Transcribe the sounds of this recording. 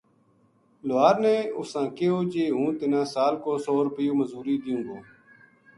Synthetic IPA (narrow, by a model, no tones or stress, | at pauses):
loaːɾnẽːʊsãːkeoːd͡ʒeːɦũːt̪ɪnãːsaːlkoːsoːɾʊpɪjoːməzuːɾiːd̪ɪjũːɡ̪õː